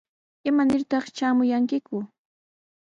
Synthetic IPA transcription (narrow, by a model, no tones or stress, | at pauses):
ɪmanɪɾt̪ɑχt͡ʃaːmʊjaŋkɪkʊ